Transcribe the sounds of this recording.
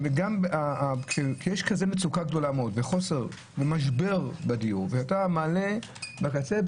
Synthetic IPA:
veɡamaakʃekijeʃkazemet͡sukaɡdo̞lameodveχo̞seʁ | vemaʃbe̞ʁbadijuʁvehatamaːle̞bakat͡se

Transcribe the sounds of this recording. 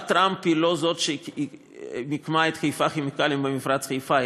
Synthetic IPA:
t̪ɾamphilozot̪ʃei | mikmaet̪χejfaχimikalimbemifɾat͡sχejfa

